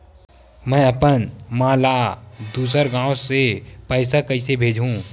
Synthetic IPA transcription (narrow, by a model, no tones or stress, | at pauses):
mɛ̃ɐpənmaːlad̪uːs̬əɾɡãːosepəɪsakəɪsebʱeːd͡ʒʱũː